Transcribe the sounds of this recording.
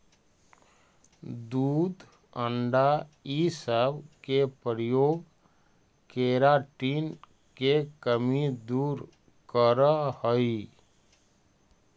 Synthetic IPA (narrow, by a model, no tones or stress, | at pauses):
d̪uːd̪ | əɳɖaisəbkepəɾjoːɡ | keɾaʈin | kekəmid̪uːɾ | kəɾəhəi